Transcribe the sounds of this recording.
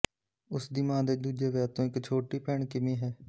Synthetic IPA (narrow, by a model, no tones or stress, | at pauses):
ʊsd̪iːmãːd̪eːd̪uːd͡ʒeːʋɛːt̪õːɪkt͡ʃʰoːʈiːpɛːɳkɪmĩːɦɛː